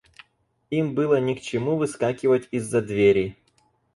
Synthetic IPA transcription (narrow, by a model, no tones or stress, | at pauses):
imbɨlˠənʲɪkt͡ɕɪmuvɨskakʲɪvətʲizːɐd̪vʲeɾʲɪ